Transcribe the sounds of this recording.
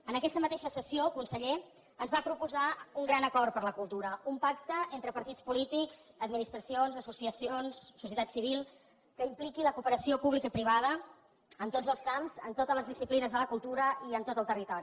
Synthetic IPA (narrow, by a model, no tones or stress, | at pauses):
ənəkɛst̪əmət̪eʃəsəsiokunsəʎe | ənzβapɾupuzauŋɡɾanəkɔrt̪pəɾləkulˠt̪uɾəumpak̚t̪əent̪ɾəpəɾt̪it͡spulit̪ikz̥əd̪minist̪ɾəsionzəsusiəsionsːusjət̪at̪siβ̞ilˠ | kəimplikiləkupəɾəsiopuβlikəipɾiβ̞að̞ə | ənt̪od͡zəlˠskamzə̰nt̪ot̪əzləzðisiplinəzðələkulˠt̪uɾəiənt̪ot̪əlˠt̪ərit̪ɔɾi